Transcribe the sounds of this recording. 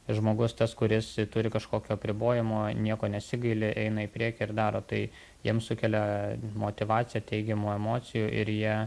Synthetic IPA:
ʒmoːɡʊst̪ɐskʊɾʲɪst̪ʊɾʲɪkɐʃkoːkʲoːɐpʲɾʲɪboːjɪmoːnʲiɛkoːnʲɛsʲɪɡɐɪlʲɪʔɛɪnɐɪpʲɾʲiɛkʲɪɪɾd̪ɑːɾoːt̪ɐɪ | jiɛmsʊkʲɛlʲɛmoːt̪ʲɪʋɑːt̪t͡ssʲɪjɛt̪ʲɛɪɡʲɛmuːɛmoːtt͡s̪ʲɪjuːʔɪ̰ɾjiɛ

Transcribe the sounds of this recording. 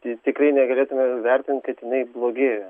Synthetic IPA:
t̪ʲːt̪ʲɪkrɐɪnʲɛɡɐlʲeːt̪ʊmʲɛʋʲɛɾʲt̪ʲɪnt̪ʲkɐɪt̪jɪnɐɪblˠoːɡʲeːjɛ

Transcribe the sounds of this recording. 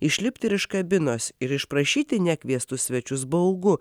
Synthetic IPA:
ɪʃʲlʲɪpʲt̪ʲɪɾɪʃkɐbʲɪnoːsɪɾɪʃpɾɐʃʲiːt̪ʲɪnʲækʲʋʲiɛst̪ʊssʲʋʲɛt͡ʃʲʊs̬bɐʊɡʊ

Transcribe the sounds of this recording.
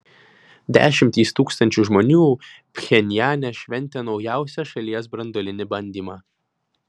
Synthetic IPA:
d̪ʲæ̰ːʃʲɪmʲt̪ʲiːst̪uːkst̪ɐnʲt͡ʃʲʊʒmɔnʲuːpʲxʲɛnʲjæːnʲɛʃʲʋʲɛnʲˑt̪ʲɛnɒʊjæˑʊsʲɛʃɐlʲiɛsbɾɐnd̪ɔlʲɪnʲɪbɐnʲd̪ʲiːmɑː

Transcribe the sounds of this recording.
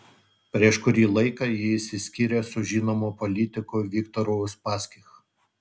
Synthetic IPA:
pʲɾʲiɛʃkʊɾʲiːlˠɐɪkɑːˑjɪɪsʲɪsʲkʲiːɾʲeːsʊʒʲiːnomoːpɔlʲɪt̪ʲɪkoːʋʲɪkt̪ɔɾoʊspɑːsʲkʲɪx

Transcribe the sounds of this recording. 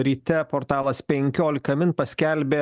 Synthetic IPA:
ɾʲiːt̪ʲɛpɔɾt̪ɑːlˠɐspʲɛŋʲkʲoːlʲɪkɐmʲɪnpɐsʲkʲɛlʲbʲeː

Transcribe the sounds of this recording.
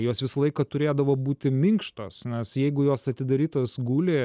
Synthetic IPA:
joːsʋʲɪsɐlˠɐɪkɐt̪ʊɾʲeːd̪ɐʋoːbuːt̪ʲɪmʲɪŋkʃt̪o̰ːsnʲɛsjɛɪɡʊjoːsɐt̪ʲɪd̪ɐɾʲiːt̪oːsɡuːlʲe

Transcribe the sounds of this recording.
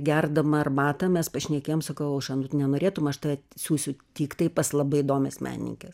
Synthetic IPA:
ɡʲɛrd̪ɐmɐɐrbɑːt̪ɐmʲɛspɐʃʲnʲɛkʲeːjomsɐkɐʊɐʃɐnʊnʲɛnoːɾʲeːt̪ʊmɐʃt̪ɐsʲuːsʲʊt̪ʲiːkt̪ɐɪpɐslˠɐbɐɪɪd̪oːmʲɛsmʲʔæ̰ːnʲnʲḭŋʲkʲɛs

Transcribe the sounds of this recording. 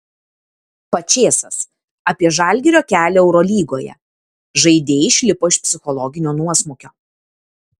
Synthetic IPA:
pɐt͡ʃʲeːsɐs | ɐpʲiɛʒɐˑlʲɡʲɪɾʲoːkʲæːlʲɛːɛʊɾɔːlʲiːɡoːjɛ̰ | ʒɐɪd̪ʲeːɪʃʲlʲɪpoːɪʃpʲsʲɪxɔlˠɔɡʲɪnʲoːnuɔsmʊkʲoː

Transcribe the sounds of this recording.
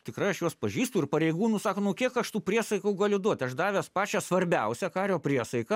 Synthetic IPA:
t̪ʲɪkrɐɪɐʃjuɔspɐʒʲiːst̪ʊɪrpɐɾʲɛɪɡuːnuːsɑːkoːnʊkʲiɛkɐʃt̪uːpʲɾʲiɛsɐɪkɐʊɡɑːlʲʊd̪uɔt̪ʲɐʃd̪ɑːʋʲæspɑːt͡ʃʲɛsʋɐɾʲbʲɛʊsʲɛkɑːɾʲoːpʲɾʲiɛsɐɪkɐ

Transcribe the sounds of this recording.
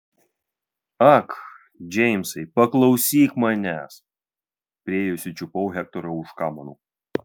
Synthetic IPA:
ɐk | d͡ʒʲɛɪmsɐɪpɐklˠɐʊsʲiːkmɐnʲæːs | pʲɾʲieːjʊsʲʊt͡ʃʲʊpɔʊɦʲɛk̚t̪ɔɾɐʊʃkɑːmɐnuː

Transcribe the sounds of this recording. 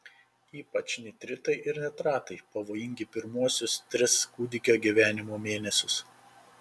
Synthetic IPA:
iːpɐt͡ʃʲnʲɪt̪ʲɾʲɪt̪ɐɪʔɪɾnʲɛt̪ɾɑːt̪ɐɪpɐʋoːjɪŋʲɡʲɪpʲɪɾmuɔsʲʊst̪ʲɾʲɪskuːd̪ʲɪkʲoːɡʲiʋʲæːnʲɪmoːmʲeːnʲɛsʲʊs

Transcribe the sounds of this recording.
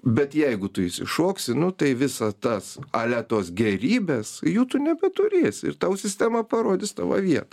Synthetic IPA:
bʲɛt̪jɛɪɡʊt̪ʊɪsʲɪ̰ʃoːksʲɪnʊt̪ɐɪʋʲɪsɐt̪ɐsɐlʲæt̪oːsɡʲɛɾʲiːbʲɛsjuːt̪ʊnʲɛbʲɛt̪ʊɾʲeːsʲɪ̰rt̪ɐʊsʲɪsʲt̪ʲæːmɐpɐɾoːd̪ʲɪst̪ɑ̰ʋɐ̰ʋʲiɛt̪ɐ

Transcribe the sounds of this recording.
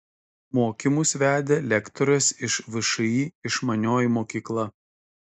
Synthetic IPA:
moːkʲɪmʊsʋʲæːd̪ʲeːlʲɛkt̪ɔɾɐsɪʃʋʲɪʃɐiːɪʃmɐnʲoːjimoːkʲiːklˠɐ

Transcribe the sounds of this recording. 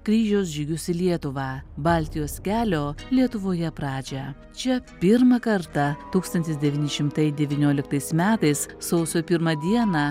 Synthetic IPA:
kɾʲiːʒʲɛʊs̬ʒʲɪɡʲʊsʲɪlʲiɛt̪ʊʋɑːbɑːlʲt̪ʲɪjoːskʲæːlʲoːlʲiɛt̪ʊʋoːjɛpɾɑːd͡ʒʲɛ | t͡ʃʲɛpʲɪɾmɐkɐɾt̪ɐt̪uːkst̪ɐnt̪ʲɪsd̪ʲɛʋʲiːnʲɪʃʲɪmt̪ɐɪd̪ʲɛʋʲiːnʲoːlʲɪk̚t̪ɐɪsmʲæːt̪ɐɪssɐʊsʲoːpʲɪɾmɐd̪ʲiɛnɑː

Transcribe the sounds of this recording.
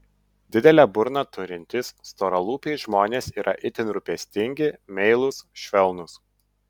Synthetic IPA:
d̪ʲɪd̪ʲɛlʲæbʊɾnɐt̪ʊɾʲɪnʲt̪ʲɪsːt̪oːɾɐlˠuːpʲɛɪʒmoːnʲeːsiːɾʔɐ̰ʔɪt̪ʲɪnɾʊpʲɛsʲt̪ʲɪŋʲɡʲɪmʲɛɪlˠʊsʃʲʋʲɛlˠnʊs

